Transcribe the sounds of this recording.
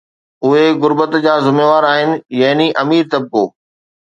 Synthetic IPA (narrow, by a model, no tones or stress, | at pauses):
ʊɦeɣʊɾbət̪d͡ʑaːzʊmeːʋaːɾaːɦɪnɪ̆jɐɦɪniʔɐmiːɾt̪ɐb̚koː